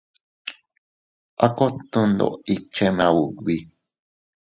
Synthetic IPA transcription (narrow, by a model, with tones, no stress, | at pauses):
a˦ko˦t̪ũ˦˧nd̪o̰˧˨i˧t͡ʃe˦nã˧wu˨βi˧˦